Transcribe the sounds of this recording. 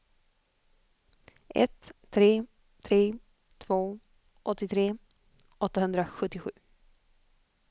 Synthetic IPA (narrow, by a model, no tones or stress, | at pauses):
ʔɛ̰t̪ʰː | ɾeː | t̪ʰɾeː | t̪ʰv̥oː | ʔɔt̪ːɪt̪ʰɾeː | ʔɔt̪ːaɦɵnd̪ɾaɧɵt̪ːɪɧʉ̟ː